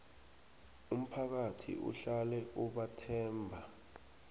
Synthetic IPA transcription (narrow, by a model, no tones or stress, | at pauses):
um̩pʰak̬atʰḭṵɬalɛʔuɓatʰɛːmbʱa